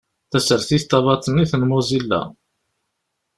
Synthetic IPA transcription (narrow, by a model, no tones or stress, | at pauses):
θæsəɾθist̪ːɑvɑt̪ˤənːiθənmozilːæ̰